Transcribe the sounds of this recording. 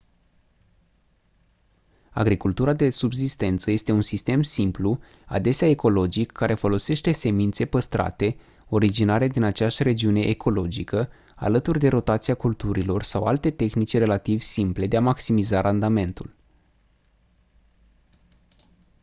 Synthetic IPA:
a̰ɡɾikult̪uɾad̪e̞subzist̪e̞nt̪səje̞st̪e̞unsist̪e̞msimplu | a̰d̪e̞seaeko̞lo̞d͡ʒikʰːaɾe̞fo̞lo̞se̞ʃt̪e̞se̞mint̪se̞pəst̪ɾʔa̰t̪e̞ | o̞ɾid͡ʒinaɾe̞d̪inat͡ʃeaʃʲre̞d͡ʒiune̞ʔekʰo̞lo̞d͡ʒikə | a̰lət̪urʲd̪e̞ɾo̞t̪at̪siakult̪uɾilo̞rsawalt̪e̞t̪e̞xnit͡ʃʲre̞lat̪ivsimple̞d̪e̞amaksimizaɾʔand̪ame̞nt̪ul

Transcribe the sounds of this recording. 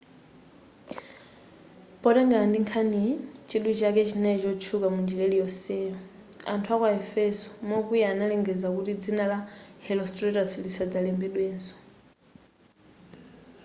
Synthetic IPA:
pɔɾɛŋɡaandiŋkʰanit͡ʃʰiɗut͡ʃakɛt͡ʃʰinɛt͡ʃɔt͡ʃʰukamund͡ʒilɛlijɔsɛːjɔ | a̰ntʰuakwaɛfɛsɔ̥mɔkujaːnalɛŋɡɛd͡zakutid͡zinalahɛlɔstʼɾɛtaslisad͡zalɛmbɛɗwɛːnsɔ̥

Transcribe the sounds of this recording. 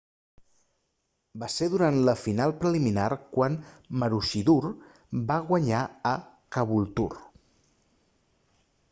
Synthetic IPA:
baseðuɾant̪ləfinalˠpɾəliminaɾkwanməɾuʃiður | baɣwəɲaə | kəβulˠt̪ṵr

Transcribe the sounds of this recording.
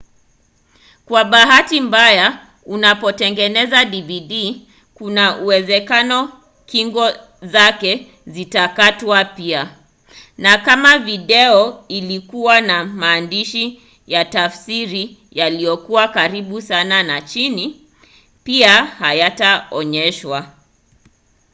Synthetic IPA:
kwaɓaɦatimbaja | unapɔtɛŋɡɛnɛzaɗiviɗi | kunaʔuwɛzɛkanɔ | kiŋɡɔ | zakɛ | zitakatwapia | nakamaviɗɛɔilikuwanamaːndiʃi | jatafsiɾi | jalijɔkuwakaɾiɓusananat͡ʃini | piahajataɔɲɛʃwa

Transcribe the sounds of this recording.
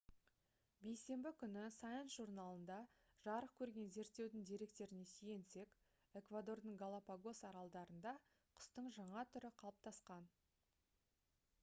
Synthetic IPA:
be̞jse̞mbɪkʲʰʏnɪsajənsʒurnɑlˠənd̪ɑ | ʒ̥ɑɾəq̚kʲʰɵɾɡʲe̞nze̞ɾt̪ːe̞wd̪ɪŋd̪eɾe̞k̚t̪e̞ɾɪne̞sije̞nse̞k | e̞kvad̪o̞rd̪əɴɡolˠapaɡo̞sɑɾɑlˠd̪ɑɾənd̪ɑ | qʰʊ̥st̪əɴʒɑɴɑt̪ʰʏɾɪqʰɑlˠəp̚t̪ʰɑsqɑn

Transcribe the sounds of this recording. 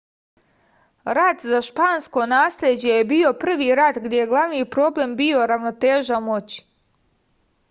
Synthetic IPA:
ɾat̪zaʃpaːnsko̞naːslʎʲed͡ʑe̞jebio̞pr̩ʋiːɾad̪ɡd̪je̞jeɡlˠaʋniːjpɾo̞ble̞mbio̞ɾaʋno̞t̪eːʒamo̞t͡ɕi̥

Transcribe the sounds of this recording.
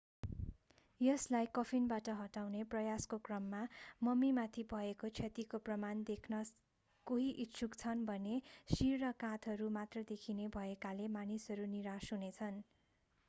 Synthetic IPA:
jʌslajkʌpʰinbaʈʌɦʌʈawneprʌjaskokrʌmːamʌmimat̪ʰibʱʌekot͡sʰʌt̪ikoprʌmand̪ekʰnʌ | koɦiʔit̪t͡sʰukt͡sʰʌnbʱʌnesirːʌkãt̪ʰʌɾumat̪rʌd̪ekʰinebʱʌekalemanisɦʌɾuniɾasɦunet͡sʰʌn

